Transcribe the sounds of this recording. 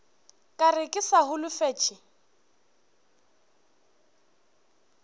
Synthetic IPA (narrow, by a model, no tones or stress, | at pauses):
kʼarɪkʼɪsaɦʊlʊfɛːt͡ʃʼɪ